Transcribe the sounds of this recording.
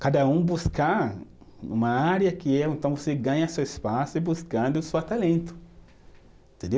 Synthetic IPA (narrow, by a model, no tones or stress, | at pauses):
kad̪ɐũbuskaɾ | nṵ̃mɐaɾjɐkɪɛẽnt̪ɐ̃w̃voseɡɐ̃ɲɐsewespasʊɪbuskɐ̃nd̪ʊst̪alẽnt̪ʊ̥ | ẽt̪ẽnd̪e